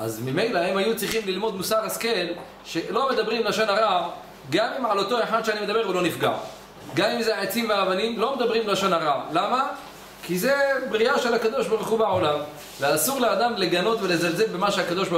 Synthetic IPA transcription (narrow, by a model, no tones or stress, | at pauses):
ʔa̰zmime̞jlahemhajut͡sʁiχimlilmo̞d̪musaʁaskel | ʃe̞lo̞med̪abʁimlaʃonaʁa | ɡamimʕalo̞t̪o̞eħad̪ʃeanimed̪abe̞ʁulo̞nifɡa̰ʕ | ɡamimzeʕet͡simveavanimlo̞med̪abʁimlaʃonhaʁalama | kize̞bʁiaʃelhakad̪o̞ʃbaʁuχubeʕolam | veasuʁlead̪amle̞ɡano̞t̪velezalzelbemaʃeakad̪o̞ʃb